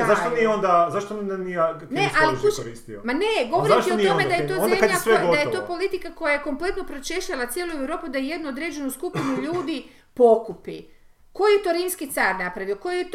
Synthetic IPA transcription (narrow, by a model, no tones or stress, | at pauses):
zaʃt̪onieond̪azaʃt̪onanija | nesaliuoɾḭːst̪iomane̞ɡo̞ʋoɾaʃtionioomed̪ajet̪oznd̪mkad̪ʎeasʋeɡod̪ajet̪o̞ːpo̞lit̪ikako̞jajeko̞mple̞t̪no̞pɾot͡ʃeʃʎalat̪sjeːlˠuewɾo̞ːpud̪ajeje̞d̪nuod̪ɾe̞ːd͡ʒe̞nuskupinuʎuːd̪i | po̞kupḭ | ko̞jet̪o̞ɾiːmskit̪saːɾnapɾaʋioko̞jijet̪